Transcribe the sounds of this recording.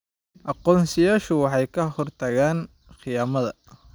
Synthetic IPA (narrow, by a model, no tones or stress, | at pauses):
ʔɑqɔːnsɪjaːʃʊwɑħɑjkʰɐhɔrt̪ʰɐɣaːn | qɪjaːmɐðɐ